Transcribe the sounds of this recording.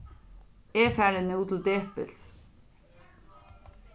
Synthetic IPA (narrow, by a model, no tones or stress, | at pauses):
eːfæːɹənəuːt̪ʰl̩d̪eːpə̰ls